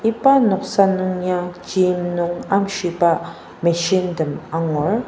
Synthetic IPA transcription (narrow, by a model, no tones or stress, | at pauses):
ipanoqsanuŋɲat͡ʃimnuŋamʃipa | meʃindəmaŋuɹ